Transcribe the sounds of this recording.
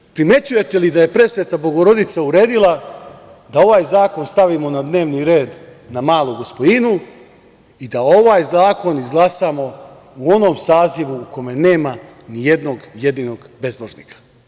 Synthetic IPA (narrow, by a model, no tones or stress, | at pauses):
pɾime̞t͡ɕuje̞t̪e̞lid̪aje̞pɾe̞sʋe̞t̪abo̞ɡo̞ɾo̞d̪it̪sauɾe̞ːd̪ilˠa | d̪ao̞ʋaːjzaːko̞nst̪aʋimonad̪ne̞ːʋniɾe̞ːd̪namaːlˠuɡo̞spod̪inu | id̪ao̞ʋaːjzaːko̞nizɡlˠasaːmo̞ | uo̞no̞ːmsaːziʋuːko̞me̞ne̞ːma | nije̞d̪no̞ɡje̞d̪iːnoɡbe̞zboʒnḭkḁ